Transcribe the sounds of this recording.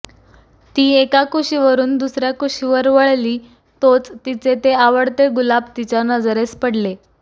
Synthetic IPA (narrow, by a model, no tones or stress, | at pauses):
t̪iːekakuɕiʋəɾuːnd̪usɾjakuɕiʋəɾʋəɭliː | t̪ot͡st̪it͡set̪eaʋəɽt̪eɡulabt̪it͡ɕjanəd͡zɾespəɽle